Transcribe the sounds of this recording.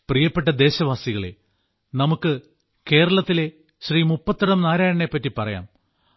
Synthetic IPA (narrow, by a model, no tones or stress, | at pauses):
prijɐpːe̞ʈ̬ːɐd̪e̞ːɕɐʋaːsiɣɐɭḛ | nɐmukːɨ | ke̞ːɾɐɭɐt̪ːile̞ | ɕriːmupːɐt̪ːɐɽɐmnaːɾaːjɐɳe̞pːɐtːipɐrɐja̰ːm